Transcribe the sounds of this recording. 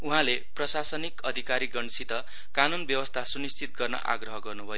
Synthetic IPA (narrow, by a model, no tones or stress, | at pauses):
uɦãle | prʌsasʌnikʌd̪ʱikaɾiɡʌnsit̪ʌ | kanunbjʌwʌst̪ʰasunist͡sʰit̪̚ɡʌrnʌ̰ʔa̰ɡrʌɦʌɡʌrnubʱʌjo